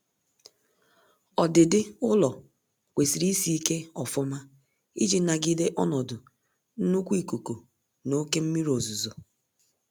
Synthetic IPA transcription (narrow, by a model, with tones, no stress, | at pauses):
ɔ˨dɪ˨dɪ˦ʊ˦lɔ˨ | kʷe˨si˨ɾi˦i˦si˦i˦ke˦ɔ˨fɔ˦ma˦ | ḭ˦d͡ʒi˨na˨ɡɪ˦de˦ʔɔ˦nɔ˨dʊ˨ | n̩˦nʊ˦kʷi˦˨ku˨ko˨ | no˦ke˦m̩˦mi˦ɾo˨zu˨zo˨